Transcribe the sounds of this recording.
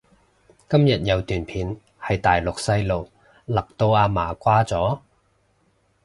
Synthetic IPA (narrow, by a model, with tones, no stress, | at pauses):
kɐ˥mjɐ˨t̚jɐ˨˧wt̪yː˨npʰiː˨˧n | hɐ˨jt̪aː˨jlʊ˨k̚sɐ˥jlo˨w | lɐ˨k̚t̪o˧waː˧maː˨˩kʷaː˥t͡sɔː˨˥